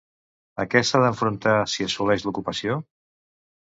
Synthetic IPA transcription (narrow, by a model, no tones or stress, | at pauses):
əkɛsaðəɱfɾunt̪asiəsulɛʃlukupəsio